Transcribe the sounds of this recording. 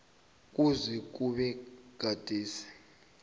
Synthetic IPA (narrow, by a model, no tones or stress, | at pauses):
k̬ʼuzɛk̬uɓɛɡ̥ʱad̥ʱiːsi̥